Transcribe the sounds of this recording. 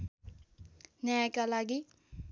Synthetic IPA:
njakalaɡi

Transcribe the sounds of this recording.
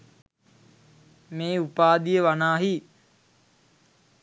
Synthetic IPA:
meːupaːd̪ijəʋanaːɦi

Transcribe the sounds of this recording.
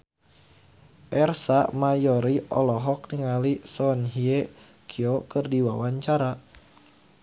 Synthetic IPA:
ʔɛrsamajɔɾiʔɔlɔɦɔk̚niŋalisɔnɦie | kʰiokɨrdiwawaɲt͡ʃaɾa

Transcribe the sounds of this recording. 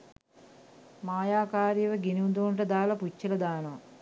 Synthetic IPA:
maːjaːkaːɾjɐʋɐɡinund̪uːɳʈɐd̪aːlɐput͡ʃːɐlɐd̪aːnɐ

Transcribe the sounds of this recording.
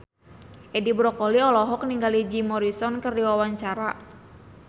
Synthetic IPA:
ʔɛdibɾɔkɔliɔlɔɦɔk̚niŋɡalid͡ʒimɔɾisɔnkərdiwawaɲt͡ʃaɾa

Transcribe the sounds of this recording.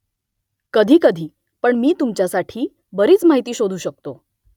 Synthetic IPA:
kəd̪ʱiːkəd̪ʱiː | pəɳmiːt̪umt͡ɕjasaʈʰiː | bəɾiːt͡smaɦit̪iːɕod̪ʱuːɕək̚t̪o

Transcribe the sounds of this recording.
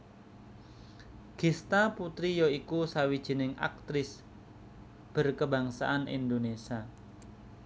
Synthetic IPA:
ɡ̥ist̪aput̪ɾijoikusawid̥ʒ̥i̤nɪŋa̰k̚t̪ɾɪs | b̥ə̤rkəba̤ŋsa̰ʔanḭnd̪onesa

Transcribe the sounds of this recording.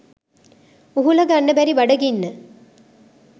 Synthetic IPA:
uɦulɐɡɐɳːɐbæɾiʋɐɖɐɡinːə

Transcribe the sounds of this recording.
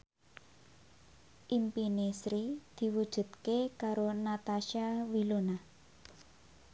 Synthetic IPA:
ʔimpinesɾid̪̥i̤wud̥ʒ̥ṳt̪̚kekaɾonat̪aʃawilona

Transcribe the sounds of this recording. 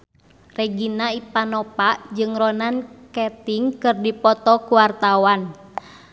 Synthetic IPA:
rɛɡinaipanɔpaʔd͡ʒɨŋɾɔnankɛt̪iŋkɨrdipɔt̪ɔkuwart̪awan

